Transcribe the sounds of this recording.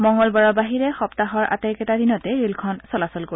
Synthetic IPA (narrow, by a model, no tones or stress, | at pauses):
mɔŋɡɔlbaɹɔbaɦiɹɛxɔptaɦɔɹʔa̰tɛjkɛtadinɔtɛɹilkʰɔnsɔlasɔlkoi